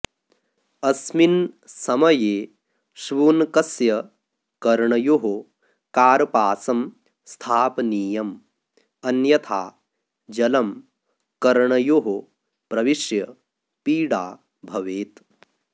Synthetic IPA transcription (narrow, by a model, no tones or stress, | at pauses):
ɐsminsɐmɐjeː | ʃʋuːnkɐsjɐ | kɐɾɳɐjoɦo | kaːɾpaːsɐm | st̪ʰaːpniːjɐm | ɐnjɐt̪ʰaː | d͡ʒɐlɐm | kɐɾɳɐjoɦo | pɾɐʋiʃjɐ | piːɽaː | bʱɐʋeːt̪